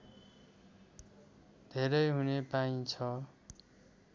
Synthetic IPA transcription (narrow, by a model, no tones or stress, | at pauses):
d̪ʱeɾʌjɦunepaĩt͡sʰʌ